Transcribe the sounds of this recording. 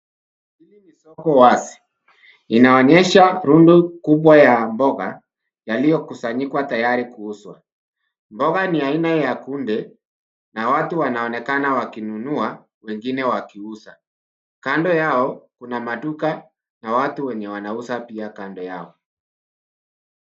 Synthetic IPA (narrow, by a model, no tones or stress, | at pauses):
ilimisɔkɔwasi̥ | inaɔɲɛʃaɾundukuɓwajambɔɣa̰ | jalijɔkusaɲikwatajaɾikuuswa | mbɔɣaniainajakundɛ | nawatuwanaɔnɛkanawakinunua | wɛŋɡinɛwakiusa | kandɔjaɔkunamatuka | nawatuwɛɲɛwanausapiakandɔja̰ɔ